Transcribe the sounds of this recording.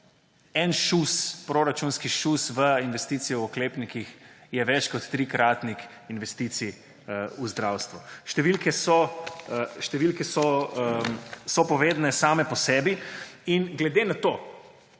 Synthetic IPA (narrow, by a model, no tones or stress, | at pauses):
ɛnʃuspɾoɾat͡ʃunskiʃusʋəinʋɛst̪iːt̪sijɔɔkleːpnikixjɛʋɛt͡ʃkɔt̪ːɾiːkɾaːt̪nix | inʋɛst̪iːt̪si | uzd̪ɾawst̪ʋuʃt̪ɛʋilkɛsɔ | ʃt̪ɛʋilkɛsɔ | sɔpɔʋeːd̪nɛsaːmɛpɔsɛːbiinɡlɛd̪enat̪oː